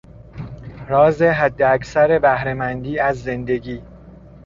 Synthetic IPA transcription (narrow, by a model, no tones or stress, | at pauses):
ɾɒːze̞ɦæd̪ːeækʰsæɾe̞bæhɾe̞mænd̪iːæzːe̞nd̪e̞ɡiː